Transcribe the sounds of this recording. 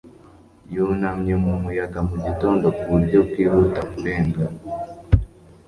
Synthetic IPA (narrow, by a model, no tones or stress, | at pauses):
junamɲemumujakamuɟitoːndokuɾɟokiːhutamubeːŋɡa